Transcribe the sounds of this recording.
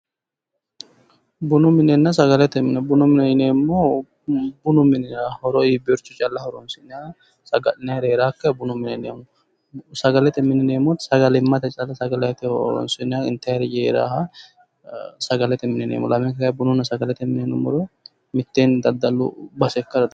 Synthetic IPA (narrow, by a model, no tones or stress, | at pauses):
bʊnʊmɪnɛnːɐs̬ɐɡɐlɛt̪ɛnbʊnʊmɪnɛɪneːmːɔ | bʊnʊmɪnɪahɔɾɔiːbɔɾt͡ʃːʊt͡ʃʼɐlːɐhɔɾɔnsɪnɪa | sɐɡɐlɪnaɾeːɾaːkːɛbʊnʊmɪnɛneːmɔ | sɐɡɐlɛt̪ɛmɪnːɛneːmːɔsɐɡɐlɪmːɐt̪ɛt͡ʃʼɐlːɐsɐɡɐlɛt̪ɛɔɔɾɔ̰nsɪnɪaɪnt̪ɐjɾjeːɾa̰hɐ | sɐɡɐlɛt̪ɛmɪnɛnḛmːɔ̰lɐmɛŋkɐkjbʊnʊnːɐsɐɡɐlɛt̪ɛmɪnɛnːɔmʊɾɔ | mɪt̪ːeːnd̪ɐd̪ːɐlːʊ̰bɐsɛkːɐɾd̪